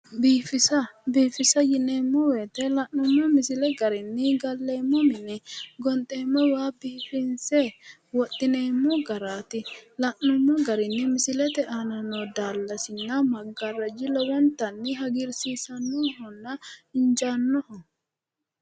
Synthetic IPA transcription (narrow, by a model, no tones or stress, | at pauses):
biːfɪsɐbiːfɪsɐjɪneːmːɔweːt̪ɛlɐʔːʊmːɔmɪsɪlɛɡɐɾɪnːɪɡɐlːeːmːɔmɪnɪɡɔnt̪ʼːeːmːɔwaːbiːfɪnsɛwɔt̪ʼːɪneːmːɔɡɐɾaːt̪ɪlɐʔʊmːɔɡɐɾɪnːɪmɪsɪlɛt̪ɛʔaːnɐnɔd̪aːlːɐsɪnːɐmɐɡɐrːɐd͡ʒɪlɔwɔnt̪ɐnːɪɦɐɡɪɾsiːsɐnːuɦɔnːɐɪnd͡ʒanːɔhɔ